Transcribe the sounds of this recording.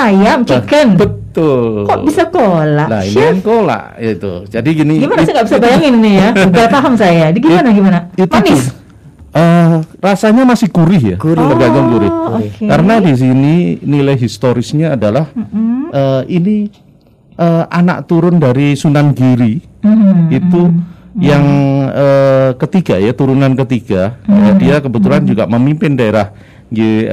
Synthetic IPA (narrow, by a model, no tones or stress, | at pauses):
ajamt͡ʃikanbətt̪ʊlkɔʔbisakolaʔla̰ḭniankola̰ʔjait̪ṵd͡ʒadiɡiniɡimanasaŋɡaʔbisabajaŋininijabap̪aɦamsajadɡimanaɡimanaituns | ərasaɲamasɪhɡ̥uɾɪhja̰ɡuɾəɡaɡaŋɡuɾɪhokekaɾənadis̬ininilajɦist̪oɾɪsɲaːdalahʔəːini | ʔəːa̰na̰k̚t̪uɾʊndaɾisunanɡiɾiː | t̪ujaŋəːkət̪iɡajat̪uɾunankət̪iɡ̥ajadiakəbət̪uland͡ʒuɡa̰məmimpɪndaeɾah | ɡi